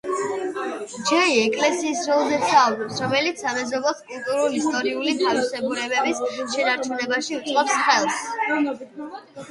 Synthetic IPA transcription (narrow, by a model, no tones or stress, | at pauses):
d͡ʒɛiɛkʼlɛsiːsɾɔlˠzɛsaɔbɾɛpsɾɔmɛlit̪sʰamɛzɔbɔskʼulˠt̪ʼuɾulist̪ʼɔɾiulit̪ʰavisɛɡuɾɛbɛbisʃɛnaɾt͡ʃʰunɛbaʃiut̪sʼqʼɔpsχɛlˠs